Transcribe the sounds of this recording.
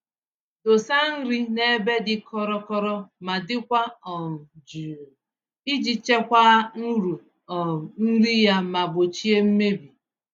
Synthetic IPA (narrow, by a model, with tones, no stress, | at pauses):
to˨sa˦n̩˦ɾi˦ne˦be˦dɪ˦kʰɔ˦ɾɔ˦kɔ˦ɾɔ˦ma˨dɪ˦kʷa˦ɔ˨m̩˨d͡ʒu˨ | i˦d͡ʒi˨t͡ʃe˦kʷa˦n̩˦ɾu˨ | ɔ˨n̩˦ɾi˦ja˦ma˨bo˨t͡ʃi˦e˦m̩˦me˦bi˨